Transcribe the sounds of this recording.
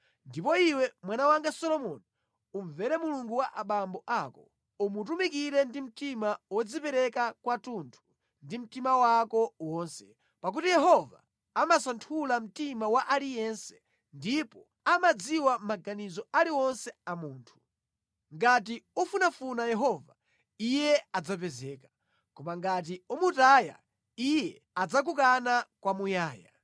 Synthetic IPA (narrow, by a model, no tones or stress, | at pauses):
ndipɔiwɛmwanawaŋɡasɔlɔmɔni | uɱvɛɾɛmuluŋɡuwaʔaɓambɔʔakɔ | umut̬umikiɾɛndim̩timawɔd͡zipɛɾɛkakwatuntʰu̥ | ndim̩timawakɔwɔːnsɛ | pak̬utijɛɦɔva̰ː | masantʰulam̩timawaʔalijɛnsɛ̥ | ndipɔ | amad͡ziwamaɡanizɔaliwɔnsɛamuːntʰu̥ | ŋɡatiɔfunafunajɛɦɔva | ijɛad͡zap̬ɛzɛːkḁ | kɔmaŋɡat̬iumutaːja̰ | ijɛ | ad͡zak̬ukanakwamujaːja̰